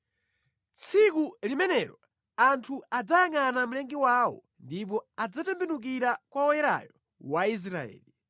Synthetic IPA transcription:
t͡sʰikulimɛnɛɾɔ | antʰuad͡zajaŋanam̩lɛŋɡiwawɔ̰ | ndip̬ɔad͡zatɛmbɛnuk̬iɾakwaɔjɛɾa̰jɔ | wais̬ɾaɛ̰ːli

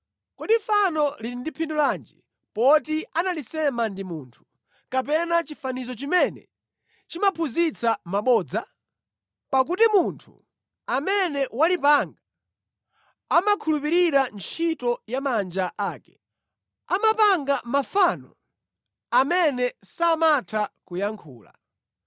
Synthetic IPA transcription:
kɔɗifanɔlindipʰinduland͡ʒḭ | pɔtianalisɛmandimuːntʰu̥ | kap̬ɛnat͡ʃifanizɔt͡ʃimɛnɛ̰ | t͡ʃimapʰuzit͡sʰamaɓɔːd͡za | pak̬utimuntʰṵ | amɛnɛwalipaŋɡa | amakʰulupiɾiɾant͡ʃʰitɔjamand͡ʒaʔaːkɛ̥̰ | amapaŋɡamafanɔ̰ | amɛnɛsamatʰakujaŋkʰṵːla̰

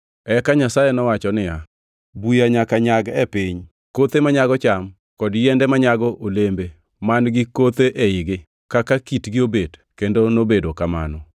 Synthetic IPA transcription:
ɛkaɲasajɛnɔwat͡ʃɔnɪja | bujaɲakaɲaɡɛpɪɲ | kot̪emaɲaɡɔt͡ʃam | kɔdjɛndɛmaɲaɡɔʔolembe | manɡɪkot̪eʔeɪɡɪ | kakakitɡɪobedkendonobedokama̰nɔ

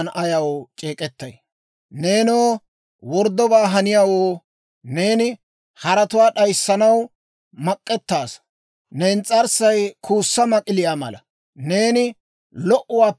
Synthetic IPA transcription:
nʔɐjɐwt͡ʃʼeːkʼɛt̪ːɐ̰j | ne̞ːnoː | wɔɾd̪ːɔbaːɦɐnɪjaːwoː | ne̞ːnɪ | hɐɾɐt̪ʊwaːɗɐjsːɐnɐw | mɐkʼːɛt̪ːaːs | neːnt͡sʼɐɾsɐjkʰuːsːɐmɐkʼɪlɪjaːmɐ̰lɐ̰ | ne̞ːnɪ | lɔʔʊwaː

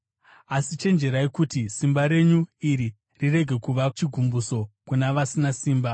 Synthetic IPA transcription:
asit͡ʃe̞nd͡ʒe̞ɾaikutisimbaɾe̞ɲuiɾi | rire̞ɡʱe̞kuʋat͡ʃiɡʱumbuso̞kunaʋasinasiːmba

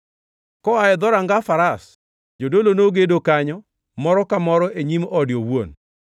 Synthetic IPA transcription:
kɔaɛd̪ɔɾaŋɡafaɾas | d͡ʒodolonoɡedokaɲɔ | mɔɾɔkamɔɾɔʔeɲimɔdjowwo̰n

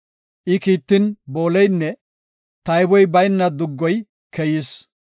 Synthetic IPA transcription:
ʔɪkiːt̪ːɪnbo̞ːlɛjnːɛ | t̪ɐjbɔjbɐjnːɐd̪ʊɡːɔj | kʰɛjɪs

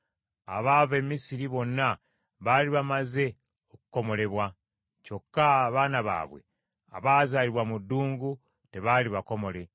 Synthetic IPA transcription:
a̰βaːve̞misiɾiβo̞nːa | βaliβamaze̞ | oku̥ko̞mo̞le̞βwa | co̞kːaβaːnaβa̰ːβwe̞̰ | a̰βaːzaːliβwamudːuːŋɡu | te̞βaliβako̞mo̞le̞

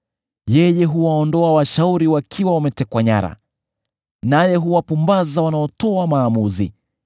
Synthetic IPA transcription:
jɛjɛɦuwaɔndɔawaʃauɾiwakʰiwawamɛtɛkwaɲa̰ɾa̰ | najɛɦuwapumbazawanaɔtɔamaːmuzi

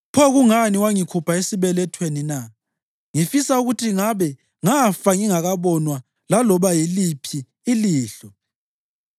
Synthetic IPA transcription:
pʰɔɣuŋaniwaŋikʰupʰaesiβɛlɛtʰwenina | ŋifisauɣutʰiŋaβɛ | ŋafaŋiŋaɣaβɔnwa | lalɔβajilipʰiː | liːɬɔ

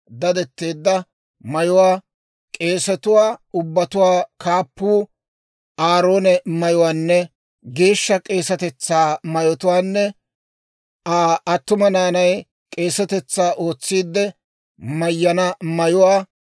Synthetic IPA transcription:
d̪ɐd̪ɛt̪ːeːd̪ːɐ | mɐjʊwaː | kʼe̞ːsɛt̪ʊwaːʊbːɐt̪ʊwaːkaːpːuː | ʔaːɾo̞ːnɛmɐjʊwaːnːɛ | ɡe̞ːʃːɐkʼe̞ːsɐt̪ɛt͡sːaːmɐjɔt̪ʊwaːnːɛ | aɐt̪ːʊmɐnaːnɐj | kʼe̞ːsɐt̪ɛt͡sːaːʔo̞ːt͡sːiːd̪ːɛ | mɐjːɐnɐmɐjʊwaː

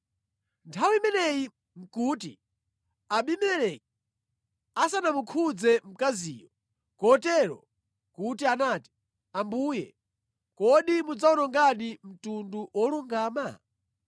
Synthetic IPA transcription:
ntʰawiimɛnɛji | m̩kuːtḭ | aɓimɛlɛk̚ɛ | asanamukʰud͡zɛm̩kaziːjɔ | kɔtɛɾɔ̰ | kutianaːti̥ | ambuːjɛ̰ | kɔɗimud͡zaunɔŋɡaɗim̩tunduwɔluŋɡaːma

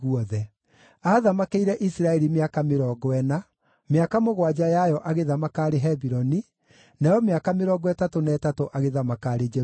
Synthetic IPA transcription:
ɣuɔðɛ | aðamakeiɾɛʔisiɾaɛɾimeakameɾɔːɡɔɛna | meakamoɣwad͡ʑajajɔʔaɣeðamakaːɾeɦɛbiɾɔni | najɔmeakameɾɔːɡwɛtatonɛːtatoʔaɣeðamakaɾed͡ʒɛ

